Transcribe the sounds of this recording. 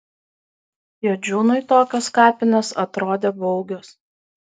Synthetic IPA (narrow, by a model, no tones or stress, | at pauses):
joːd͡ʒʲuːnʊɪt̪oːkʲɐskɑːpʲɪnʲɛsɐt̪ɾoːd̪ʲeːbɔʊɡʲoːs